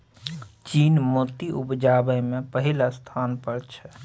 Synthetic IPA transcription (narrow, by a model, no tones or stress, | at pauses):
t͡ʃiːnmoːt̪iʔʊpd͡ʒaːbəjmẽpəɦɪlast̪ʰaːnpəɾt͡ʃʰɛ